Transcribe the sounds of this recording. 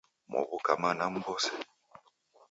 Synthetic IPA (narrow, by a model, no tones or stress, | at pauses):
mɔ̰βukamanam̩bɔsɛ̥